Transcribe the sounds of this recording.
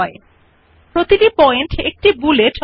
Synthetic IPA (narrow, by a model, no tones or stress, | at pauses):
ɔe | pɾot̪iʈipɔeɳʈek̚ʈibulet͡ʃ